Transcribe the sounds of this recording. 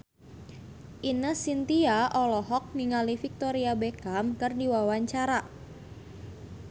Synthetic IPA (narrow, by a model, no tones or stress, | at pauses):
ʔinəsint̪iaʔɔlɔɦɔk̚niŋalifik̚t̪ɔɾiabekamkərdiwawaɲt͡ʃaɾa